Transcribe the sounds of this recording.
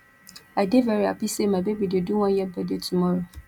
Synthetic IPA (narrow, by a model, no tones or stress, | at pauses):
adevɛɾia̰pisemãbebidɪeduwɔ̃njɛbadɪetʰumɔɾo